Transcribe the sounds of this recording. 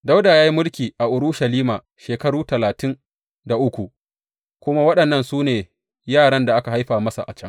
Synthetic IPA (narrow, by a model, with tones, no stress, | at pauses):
da˦wdaː˨jaː˦ji˦mʊ˦lkʲiː˨ʔa˨ʔʊ˨ɽʊ˦ʃɐ˨liː˦maː˨ | ʃeː˨kɐ˦ɽuː˦tɐ˨laː˨tɪ˦n | da˨ʔʊ˦kʷu˨ʔ | kʷʊ˦ma˦wɐ˦ɗɐ˨nːɐ˦˨nsuː˦neː˨ | jaː˦˨ɽɐ˦nda˨ʔa˦ka˨ha˦jɸaː˨mɐ˦sa̰˨ʔa̰˨t͡ʃɐ˦ŋ